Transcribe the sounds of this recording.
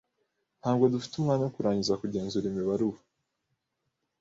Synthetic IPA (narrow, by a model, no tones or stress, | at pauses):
n̥haːbɡo̞dufi̥tumŋaːnajokuɾaːɲɟizakuɟe̞ːnzuɾimiβaɾuβa